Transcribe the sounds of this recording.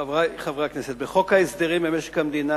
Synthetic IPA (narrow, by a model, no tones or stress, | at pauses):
aχavʁakneset̪beχokaesd̪eʁimemeʃe̥kamd̪ina